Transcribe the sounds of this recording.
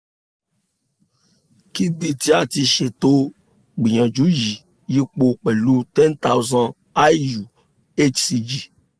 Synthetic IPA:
ki˦bi˦˨ti˨˦a˦˨ti˧ʃe˨to˦ | ɡ͡bĩ˨j̃ã˨d͡ʒu˨˦ji˨ | ji˦k͡po˧k͡pɛ˨lu˦tɛ̃˦nta˦wzã˧n | a˦ju˨ | e˦t͡ʃsi˧d͡ʒi˨

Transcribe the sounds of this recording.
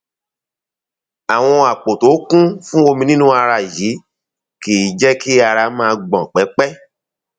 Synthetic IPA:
a˨w̃ɔ̃˧a˨k͡po˨to˨˦kũ˦fũ˦o˧mĩ˧nĩ˦nũ˦a˧ɾa˧˨ji˨˦ | kiː˨˦d͡ʒɛ˦ki˦a˧ɾa˧mãː˦˧ɡ͡bɔ̃˨k͡pɛ˨˦k͡pɛ˦

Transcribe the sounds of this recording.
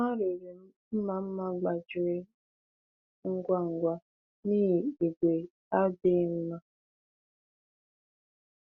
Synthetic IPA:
ma˦ɾe˨ɾe˨m̩˦m̩˦ma˦m̩˦ma˦ɡ͡ba˨d͡ʒɪ˨ɾe˦ | ŋ̩˦ɡʷa˦ŋ̩˨ɡʷa˦ | ni˦˨i˨ɡʷe˨ | a˦be˦m̩˦ma˦

